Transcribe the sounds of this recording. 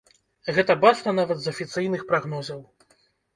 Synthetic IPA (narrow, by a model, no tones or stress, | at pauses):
ɣɛt̪ɐbat͡ʂnɐnavɐd̪zɐfʲit̪sɨjnɨxpɾaɣnɔzɐw